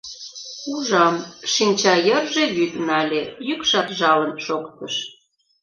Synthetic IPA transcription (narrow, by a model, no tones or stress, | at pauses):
uʒɑmʃinʲt͡ɕɑjə̆rʒejyd̪nɑlʲejykʃɑrʒɑlənʃokt̪əʃ